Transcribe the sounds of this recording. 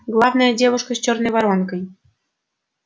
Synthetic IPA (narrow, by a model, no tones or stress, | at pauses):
ɡlˠɑvnəjədʲeβəʃkɤ̆ɕt͡ɕorneβɑɾonkɤj